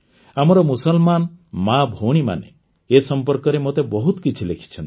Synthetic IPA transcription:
amɔɾɔmusɔlmanmabʱoɽ̃ima̰nḛ | esɔmpɔɾkɔɾemot̪ebɔɦut̪ɔkit͡ʃʰilekʰi̥t͡ʃʰɔnt̪i̥

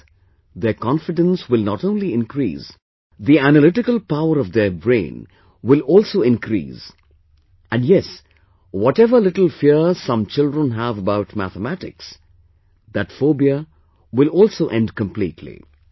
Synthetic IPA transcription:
d̪əkɑ̃nfɪɖə̃nswɪlˠnɔtõʊ̃nliɪ̃nkɾḭːs | d̪iænəlɪʈɪkəlˠpaʊəɾɔvd̪əbɾḛ̃ɪ̃n | wɪlɔːlˠsoːɪ̃nkʰɾḭːs | æ̃nɖjɛs | wɔʈɛvəlɪʈl̩ˠfiəsʌ̃mt͡ʃɪldɹə̃nɦævəbaʊʈmæ̰θəmæʈɪ̰ks | d̪ætfoːbiə | wɪlɔlsoːʔɛ̃nɖkə̃mplḭːtʰlḭ

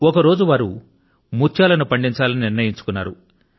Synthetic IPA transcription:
ɔkɐɾo̞ːd͡ʒuʋaːɾu | mut͡ʃːjaːlɐnupɐɳɖiɲt͡ʃaːlɐniniɾnɐjiɲt͡ʃu̥kunːa̰ːɾu

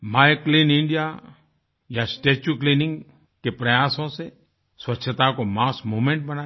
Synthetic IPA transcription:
maːjklinɪ̃ɳɖija | jasʈeːt͡ʃuklinɪ̃ŋɡ | kepɾɐjaːsõse | swɐtːʃʰət̪akomaːsmuːmẽɳʈ̚bɐnaː

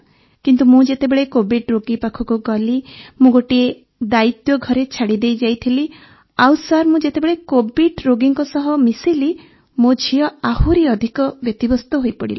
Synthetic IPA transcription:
kint̪umũd͡ʒet̪ebeɭekobiʈɾoɡipakʰɔkuɡɔlimũɡoʈie | d̪ait̪jɔɡʱɔɾet͡ʃʰaɽid̪ejd͡ʒajt̪ʰili | awsaɾmũd͡ʒet̪ebeɭekobiɖɾoɡiŋkɔsɔɦɔmisili | mod͡ʒʱijɔahuɾiɔd̪ʱikɔbjɔt̪ibɔst̪ɔɦoipɔɽḭli

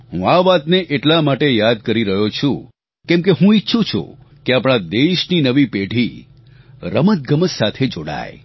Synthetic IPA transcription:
ɦṵ̃aʋat̪neʔeʈlamaʈejad̪kəɾiɾəɦot͡ʃʰũ | kɛ̃mkeɦũitːʃʰut͡ʃʰṵ | keapɽ̃ad̪eʃninəʋipeʈʰi | ɾəmət̪̚ɡəməssat̪ʰed͡ʒoɽa̰je

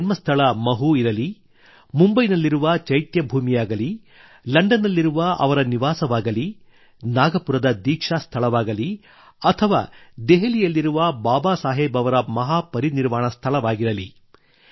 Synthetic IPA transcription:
nmɐst̪ʰɐɭɐmɐɦuiɾɐli | mumbɐjnɐlːiɾuʋɐt͡ʃɐjt̪jɐbʱuːmijaːɡɐli | lɐɳɖɐnɐlːiɾuʋɐʔɐ̰ʋɐɾɐniʋaːsɐʋaːɡɐli | naːɡɐpuɾɐd̪ɐd̪iːkʂaːst̪ʰɐɭɐʋaːɡɐli | ɐt̪ʰɐʋa̰ːd̪eɦɐlijɐlːiɾuʋɐbaːbaːsaːɦeːbɐʋɐɾɐmɐɦaːpɐɾiniɾmaːɳɐst̪ʰɐɭɐʋaːɡiɾɐli

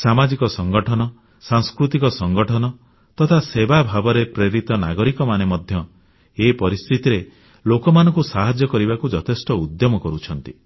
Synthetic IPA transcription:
samad͡ʒikɔsɔŋɡɔʈʰɔnɔ | saŋskɾut̪ikɔsɔŋɡɔʈʰɔnɔ | t̪ɔt̪ʰasebabʱabɔɾepɾeɾit̪ɔna̰ɡɔɾikɔmanemɔd̪ʱjɔ | epɔɾist̪ʰit̪iɾe | lokɔmanɔ̃ŋkusaɦad͡ʒjɔkɔɾibakud͡ʒɔt̪ʰesʈɔud̪jɔmɔkɔɾut͡ʃʰɔnt̪i

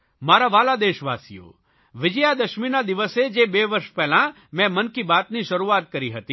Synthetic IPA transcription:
maːɾaʋaːlad̪eːʃʋa̰ːsḭjo̰ | ʋɪd͡ʒəjad̪əʃminad̪ɪʋəsed͡ʒebeʋəɾʃpɛɦlã | mɛ̃mənkibaːt̪niʃɐɾuaːt̪̚kəɾiɦət̪iː

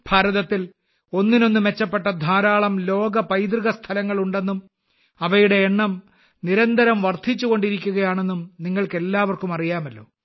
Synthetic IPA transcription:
b̥ʱaːɾɐðɐt̪ːil | o̞nːino̞nːume̞t͡ɕːɐpːe̞ʈːɐd̪ʱaːɾaːɭɐmlo̞ːɡɐpɐjd̪riɣɐst̪ʰɐlɐŋːɐɭuɳɖe̞nːum | ɐʋɐjuɽe̞ːɳːɐm | niɾɐnd̪ʱɐɾɐmʋɐrt̪ʰit͡ɕːuɣo̞ɳɖiɾikʲːuɣɐjaːɳe̞nːumniŋːɐɭke̞lːaːʋɐrkumɐrijaːmɐlːo̞̰ː

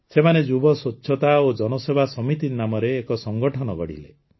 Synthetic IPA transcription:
semaned͡ʒubɔsott͡ʃːʃʰɔt̪aod͡ʒɔnɔsebʱasɔmit̪inamɔɾeːkɔsɔŋɡɔʈʰɔnɔɡɔ̰ɽḭlḛ

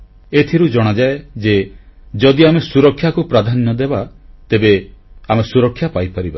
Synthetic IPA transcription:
et̪ʰiɾud͡ʒɔɽ̃ɔd͡ʒaed͡ʒed͡ʒɔd̪iamesuɾɔkʰːjakupɾad̪ʱanːɔd̪ebat̪ebeamesuɾɔkʰːjapajpɔɾiba

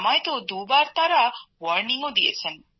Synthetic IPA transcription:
majt̪uːd̪uːbaːɾt̪ɐɾaːʋɐɾniŋud̪iḛsɐn

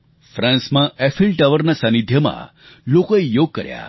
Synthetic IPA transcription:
fɾãnsmãɛfʰilʈəʋəɾnasə̃nid̪ʱjəmã̰ | lokoejoɡ̚kəɾja̰

